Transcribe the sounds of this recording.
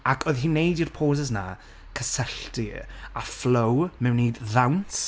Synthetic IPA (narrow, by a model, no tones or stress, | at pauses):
akʰoɨðɦiːnejdirpʰoːzɛzna̰ | kʰəsəɬtiaflowmɛwniːdðawnt